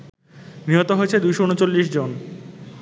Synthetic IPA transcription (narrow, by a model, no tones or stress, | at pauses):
niɦot̪oɦoet͡ɕʰed̪ujʃoonot͡ɕolːiʃd͡ʑon